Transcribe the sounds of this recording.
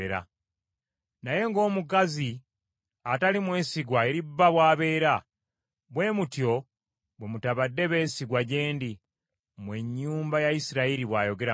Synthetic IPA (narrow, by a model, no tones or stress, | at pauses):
eɾa̰ | naje̞ŋɡo̞ːmuk̬azi | atalimwe̞ːsiɡwae̞ɾibːaβwaːβe̞ːɾa | βwe̞ːmutjo̞ | βwe̞mutaβadːe̞βe̞ːsiɡwaɟe̞ːndi | mwe̞ɲːuːmbajaisiɾaiɾiβwaːjo̞ɡe̞ɾa